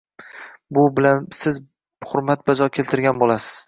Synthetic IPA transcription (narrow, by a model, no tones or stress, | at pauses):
bʊbɪlansɪz | χʊɾmat̪̚bazɒkʲʰe̞lt̪ʰɪɾɡʲanbolasɪ̥z̥